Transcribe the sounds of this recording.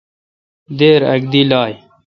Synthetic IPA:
d̪eːɾɐ̰ɡ̚d̪ilaːj

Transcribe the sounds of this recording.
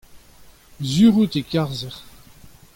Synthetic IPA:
zyʁut̪ekaʁzɛʁ

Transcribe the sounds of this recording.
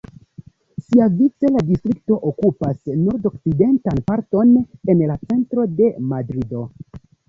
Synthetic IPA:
siavit͡se̞ladistɾik̚to̞ʔokupasnoɾdo̞k̚t͡side̞ntanpaɾto̞ne̞nlat͡se̞ntɾo̞de̞madɾido̞

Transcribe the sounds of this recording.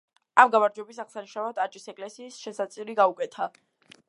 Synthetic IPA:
amɡamaɾd͡ʒwɛbisaʁsaniʃavat̪ʼat͡ʃʼisɛkʼlɛsiːsʃɛsat̪sʼiɾiɡaukʼɛt̪ʰa

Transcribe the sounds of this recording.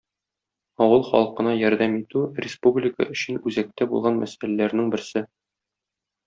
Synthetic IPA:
ɒwɤlˠχɒ̰lˠɤqɤ̆nɑjɒɾd̪æmit̪ʉrʲɪspublʲɪkə̰ɵ̆ɕɘnʉzæk̚t̪æbṵlˠʁɑnmʔæsælælæɾnɘŋbɘ̆ɾsɘ

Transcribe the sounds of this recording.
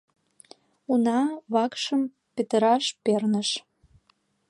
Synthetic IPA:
unɑβɑkʃəm | pet̪əɾɑʃpernə̆ʃ

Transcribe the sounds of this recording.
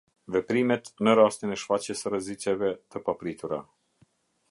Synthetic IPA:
vɛpɾimɛt̪nəɾast̪inɛʃfat͡ɕjɛsəɾəzit͡ʃɛvɛt̪əpapɾit̪uɾa

